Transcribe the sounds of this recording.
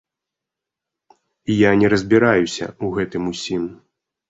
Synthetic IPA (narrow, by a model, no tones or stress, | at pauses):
ijanʲɛɾɐzʲbʲiɾajusʲɐ̰uɣɛt̪ɨmusʲim